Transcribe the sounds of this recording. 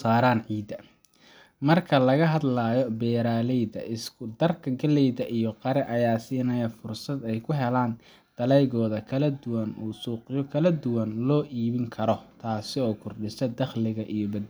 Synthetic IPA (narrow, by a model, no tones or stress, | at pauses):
saːɾaːnʕiːd̪ɐ | mɐrkʰɐlɐɣɐɦɐd̪laːjɔbɛːɾaːlɛjðɐ̰ʔɪskʰʊd̪ɐrkʰɐɡɐlɛjðɐʔijɔqɑɾɛʔɐjaːsiːnɐjɐfʊrsɐd̪ɛjkʰʊɦɛlaːn | d̪̥ɐlɛjɣɔːðɐkʰɐlɐd̪ʊwɐnuːsuːqɪjɔkʰɐlɐd̪ʊwɐnlɔːʔiːβɪŋkʰɐɾɔt̪ʰaːsɪɔːkʰʊrɖɪsɐd̪ɐχlɪɣɐʔijɔbɐd̪